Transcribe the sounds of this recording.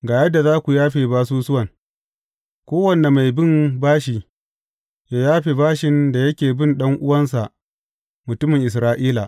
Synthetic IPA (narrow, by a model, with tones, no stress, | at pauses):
ɡaː˨jɐ˦dːa˨zaː˦kʷu˨jaː˦ɸeː˨baː˦s̬uː˦sʊ˦wɐ˨ŋ | kʷoː˦wɐ˨nːe˨ma˨jbɪ˦˨mbaː˦ʃiː˨ | ja˨jaː˦ɸeː˨baː˦ʃɪ˨nda˨jɐ˦kʲeː˨bɪ˦nɗɐ˦ŋʔʊ˦wɐ˦nsa˨ʔ | mʊ˨tʊ˦mɪ˨ŋʔɪ˨s̬ɾaː˦ʔiː˦la˨ʔ